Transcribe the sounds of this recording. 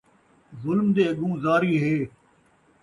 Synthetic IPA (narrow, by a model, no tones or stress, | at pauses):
zʊlmd̪eːɐɠũːzaːɾiːɦeː